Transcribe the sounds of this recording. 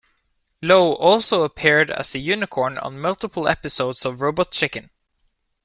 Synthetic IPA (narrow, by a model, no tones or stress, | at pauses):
loʊʔɔlˠsoʊəpʰɪɹɾə̰z̥ɨjʉnɪkʰɔɹnə̰̃nmʌlˠtəpl̩ˠɛpɨsoʊdzʌvɹoʊbə˞t̚t͡ʃʰɪkɨ̃n